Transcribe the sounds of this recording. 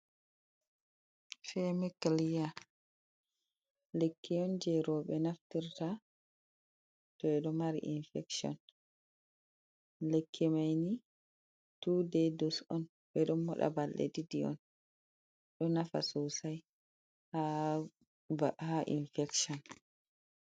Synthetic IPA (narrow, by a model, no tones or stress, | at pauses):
fɛmɛkːalija | lekːɛɔnd͡ʒɛɾɔɓɛnaftiɾta | tɔɛɗɔmaɾḭʔinfɛksiɔ̰n | lekʰːɛmajni | tudɛdɔsɔn | ɓɛɗɔnmɔɗa̰balːɛ̰didiɔ̰n | ɗɔnafa̰sowsaj | ha | ahaʔḭnfɛksɔn